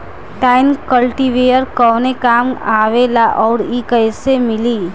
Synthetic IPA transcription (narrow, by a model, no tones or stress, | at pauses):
ʈaːɪnkəlʈiʋejəɾkɔːnekaːmaːʋelaʔɔːɾikəjsemɪli